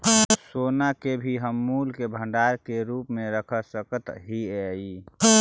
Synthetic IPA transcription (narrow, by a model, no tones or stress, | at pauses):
soːnakebʱiɦəmːuːlkebʱə̃ɳɖaːɾkeɾuːpmẽɾəkʰəsəkət̪ɦiɛi